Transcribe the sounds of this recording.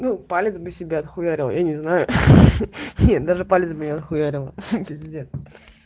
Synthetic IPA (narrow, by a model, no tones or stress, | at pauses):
nupalʲɪt̪sbɨsʲɪbʲeɐt̪xʊvʲæɾʲɪlˠjanʲɪznajʊ | nʲet̪d̪aʐɨpalʲɪt̪sbɨnʲeɐt̪xʊvʲæɾʲɪlˠpʲɾʲɪzʲɪdʲent̪s